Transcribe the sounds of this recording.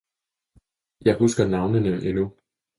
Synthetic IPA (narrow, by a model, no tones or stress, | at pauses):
jɑ̈ɪɦusɡ̥ɐnɑ̈ʊnənəʔenu